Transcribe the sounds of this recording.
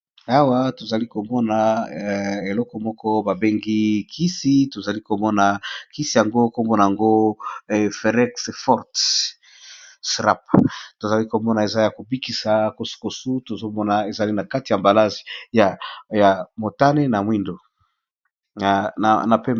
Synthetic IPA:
a˦wa˦to˨za˨li˦ko˨mɔ˦na˨ | e˨lɔ˦kɔ˨mɔ˦kɔ˦ba˨be˦ŋɡi˦kʰi˦si˦to˨za˨li˦ko˨mɔ˦na˨ki˦si˨ja˨ŋɡo˦ko˦mo˦na˨ja˨ŋɡo˦˨ | fe˨ʁɛ˦ksfɔ˦ʁt | sʁa̰˦pto˨za˨li˦ko˨mɔ˦na˨e˨za˦ja˨ko˨bi˦ki˨sa˨ko˨su̥˨ko˨su˦to˨zo˦mɔ˦na˨e˨za˨li˦na˨ka˦ti˨ja˨mba˨la˦zi̥˨ja˨ja˨mo˨ta˦ne˦na˨mwi˦ndo˨ | a˨na̰˨na˨pe˦m˨

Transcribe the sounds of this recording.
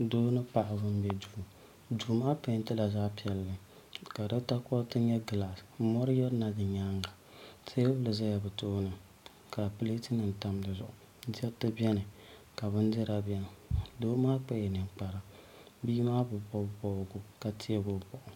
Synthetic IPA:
doː˦nɨ˦pa˨ʔa˨bɨ˦m˦bɛ˦du˨ | du˨˦maː˦pɛ˨˦tɨ˦la˨za˦pi˨ɛ˨lːɨ˨ | ka˨dɨ˦ta˦kɔ˦tɨ˦ɲɛ˦ɡɨ˨la˨smɔ˦ɾɨ˦jɛ˦na˨dɨ˨ɲa˦ŋɡa˨ | te˦blɨ˨za˦ja˨bɨ˨toː˦nɨ˨ | ka˨pɨ˦le˦tɨ˦nɨ˨n̩˨ta˦mdɨ˨zʊ˨ʔʊ˨ | dɛ˦tɨ˦bʲɛ˦nɨ˨ | ka˨bɨ˦ndɛ˦ɾa˨bʲɛ˦nɨ˨doː˦maː˦k͡pɛ˦jɛ˨nɨ˨mk͡pa˨ɾa˦ | biː˦maː˦bɨ˨bɔ˦bɔ˦˨ɡʊ˦ka˨tʰi˦ɛ˦ɡʊ˨bɔ˨ʔʊ˨

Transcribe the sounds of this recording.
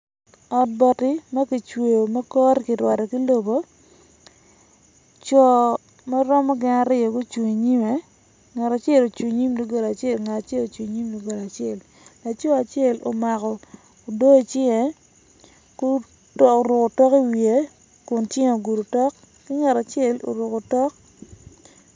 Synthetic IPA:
ɔ˨t̚bɔ˨tɪ˦ma˦ki˨t͡ʃwo˨jo˨mɛ˦kɔ˦ɾkɪ˨ɾwa˨tɛ˨ki˦lo˨bo˦ | t͡ʃɔ˦˨ | ma˦ɾɔ˦mɔ˦ɡɪ˦na˦ɾɪ˦o˨ɡu˦t͡ʃwu˨ŋi˨ɲi˦me˨ | ŋa˨ɾa˨t͡ʃɪ˦e˦˨lo˨t͡ʃu˨ɲi˦mno˦ɡo˦la˨t͡ʃɪ˦e˦lŋa˨ta˨t͡ʃe˦lo˨t͡ʃi˨ɲi˦mdu˦ɡo˨la˨t͡ʃɪ˦e˦˨l | la˨t͡ʃɔ˦a˨t͡ʃɪ˦e˦˨lo̰˨ma˨kɔ˨ | o˨do˦˨t͡ʃɪ˦ŋe˨ | ku˦ | to˨ɾʊ˨ko˨tɔ˦ki˦wi˨e˨ | kʊ˨nt͡ʃɪ˦ŋ˨o˨ɡu˨ɾu˨tɔ˦kː | ɪ˦ŋa˨ta˨t͡ʃɪ˦e˦˨lo̰˨ɾʊ˨ko˨tɔ˦k̚

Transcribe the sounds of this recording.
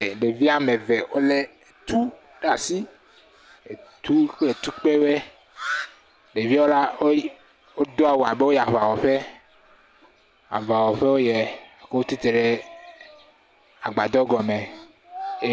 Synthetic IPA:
ɖe˨vi˦a˦me˨vɛ˨wo˦le˦˨t̪u˦ | ɖa˨si˦ | e˨t̪u˦le˨t̪u˦k͡pe˦we˦ | ɖe˨vi˦o˦la˦o˦ | o˦d̪o˦a˨wo˨a˨be˦wo˦ja˨va˨wɔ˨ɸe˦ | a̰˨va˨wɔ˨ɸe˦wo˦jɛ˨ke˦wo˦t̪i˦t̪e˨ɖe˦ | a̰˨ɡ͡ba˨d̪ɔ˦ɡɔ˨me˨˦

